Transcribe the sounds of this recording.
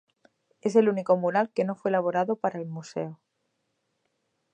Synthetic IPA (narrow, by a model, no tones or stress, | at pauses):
e̞s̬e̞luniko̞muɾalke̞no̞fwelaβ̞o̞ɾaðopaɾaelmuse̞̰o